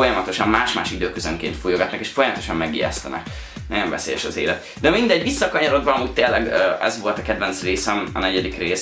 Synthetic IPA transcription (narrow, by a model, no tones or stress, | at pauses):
o̞jɒmɒt̪o̞ʃɒmmaːʃma̰ːʃid̪øːkøzøŋkḛːnt̪foːjoɡɒt̪nɒkeːʃfo̞jɒmɒt̪o̞ʃɒmmɛɡḭjɛ̰st̪ɛnɛ̰k | nɛɱvɛ̰sḛːjɛ̰ʃɒzḛːlɛt̪ | d̪ɛmind̪ɛɟːʋisːɒkɒɲɒɾo̞d̪bɒɒmuːc̚t̪eːlːɛɡɛ̰zʋo̞lt̪ɒkɛd̪vɛnt̪sreːsɛmɒ̰nɛɟɛd̪ikreːs